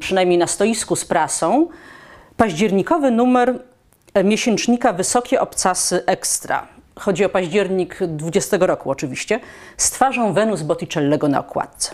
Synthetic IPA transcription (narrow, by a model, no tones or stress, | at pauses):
pʂɨnajmʲɲejnast̪ɔjiskuspɾasɔ̃w̃ | paʑd͡ʑɛɾɲikɔvɘnumɛɾ | mʲjeɕɛnt͡ʂɲikavɘsɔkʲɛʔɔpt̪sasɘʔɛkst̪ɾa̰xɔd͡ʑiɔpaʑd͡ʑɛɾɲiɡd̪vud͡ʑɛst̪ɛɡɔɾɔkuɔt͡ʂɘvʲiɕt͡ɕɛst̪faʐɔ̃w̃vɛnuzbɔt̪ʲit͡ʂɛlːɛɡɔna̰ɔkwa̰t̪̚t̪sɛ̥